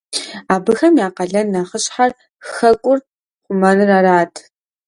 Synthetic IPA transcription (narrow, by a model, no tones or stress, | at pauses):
aːbɨxɐmjaːqɐɮɐnːɐχəɕʼħar | xɐkʷʼʊr | χʷʊmɐnɨraraːtʰ